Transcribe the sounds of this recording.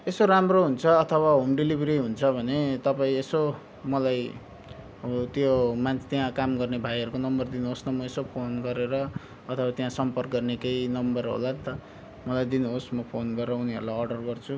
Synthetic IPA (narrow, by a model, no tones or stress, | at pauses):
esoɾamroɦunt͡sʰʌːt̪ʰʌwaɦumɖilibʱɾiɦunt͡sʰʌbʱʌnet̪ʌpaĩeso | mʌlaj | t̪jomant̪jãkamɡʌrnebʱajɦʌɾukonʌmbʌrd̪inuɦosnʌmʌesopʰonɡʌɾeɾʌː | t̪ʰʌwat̪jãsʌmpʌrkɡʌrnekejnʌmbʌrɦo̰lant̪ʌ | mʌlajd̪inuɦosmʌpʰonɡʌrʌuniʌ̰ɾulajʌrɖʌrɡʌrt͡sʰu